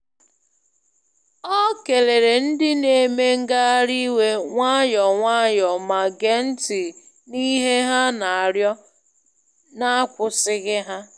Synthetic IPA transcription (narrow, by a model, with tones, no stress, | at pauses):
ɔ˦ke˨le˨ɾe˨n̩˦dɪ˦ne˦˨˦me˦ŋ̩˦ɡa˦a˦ɾi˦we˦ŋʷa˦jɔ˨ŋʷa˦jɔ˨ma˨ɡe˦n̩˦tɪ˨ | ni˦ɦe˦ɦa˦na˨a˨ɾjɔ˦ | na˦a˦kʷʊ˨sɪ˦ɣɪ˦ɦa˦